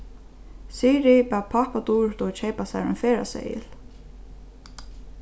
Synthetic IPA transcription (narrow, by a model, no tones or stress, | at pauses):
siːɾipɛpʰahpat̪uːɹt̪ɔt͡ʃʰejpasa̰ɾʏ̰nfɛːɾa̰sɛ̰ɪ̰l